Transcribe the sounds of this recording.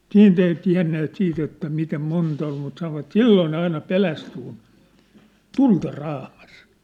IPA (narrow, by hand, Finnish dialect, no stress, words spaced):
siːnt ei tiæ̝nːeːt siːt etːæ mitem montɑ ol mut sɑnoʋɑt silːoː ne ɑinɑ pelæsty kun tultɑ rɑːmɑs